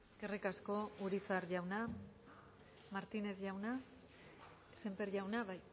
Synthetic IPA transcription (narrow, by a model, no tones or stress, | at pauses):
skerikasko̞uɾisaɾʝawna | maɾt̪ine̞zʝawna | se̞mpeɾʝawnaβaj